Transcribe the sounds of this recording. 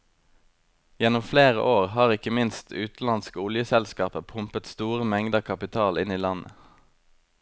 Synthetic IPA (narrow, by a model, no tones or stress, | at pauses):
jɛnʊmfleːʁə̰ʔoːʁhɑːʁɪkəmɪnst̪ʉːt̪n̩lɑnskəʊljəsɛlskɑːpəpʰʊmpət̪st̪uːʁəmɛŋd̪əkʰɑpɪt̪ʰɑːlɪniːlɑnə̰